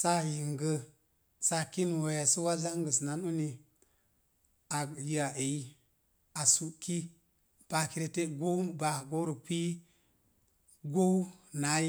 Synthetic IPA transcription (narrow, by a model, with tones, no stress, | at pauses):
sa˦ji˨ŋɡə˦ | sa˦ki˦nwo˨ja˨su˦wa˦za˦ŋɡə˨sna˦nu˦ni˨ | a˨ji˨a˨ʔe˨i˦ | a˨su˨ki˦ | b̥a˨ki˨ɾe˨te˦ɡo˦ba˨ɡo˦ɾu˨k͡pi˦ | ɡo˦wna˨˦